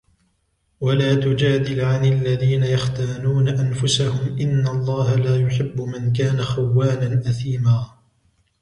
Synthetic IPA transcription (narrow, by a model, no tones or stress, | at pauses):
walaːt̪ʊd͡ʒaːd̪ɪlʕanɪlːaðiːnajaxt̪aːnuːnaʔanfʊsahʊmʔɪnːalˤːɑːhalaːjʊħɪbːʊmɪnkaːnaxawːaːnanʔaθiːmaː